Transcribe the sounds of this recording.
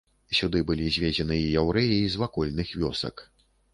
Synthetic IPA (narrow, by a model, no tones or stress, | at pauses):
sʲud̪ɨbɨlʲizʲvʲed͡zʲɛnɨijawɾɛjiːzvakɔlʲnɨxvʲɔsɐ̰k